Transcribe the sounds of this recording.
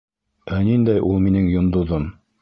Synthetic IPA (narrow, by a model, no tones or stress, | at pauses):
ænind̪æjʔulˠminɘŋjŏnd̪ŏðom